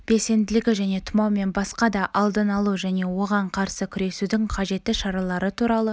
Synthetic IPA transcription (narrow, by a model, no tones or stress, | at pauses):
b̥e̞lse̞nd̪ɪlɪɡʲɪʒæne̞t̪ʰʊmɑwme̞nbɑsqɑd̪ɑʔɑlˠd̪ənɑlˠuʒæne̞wo̞ʁɑɴqʰɑɾsəkʲʰʏɾe̞sud̪ɪŋqʰɑʒe̞t̪ːɪʃɑɾɑlˠɑɾət̪ʰuɾɑlˠə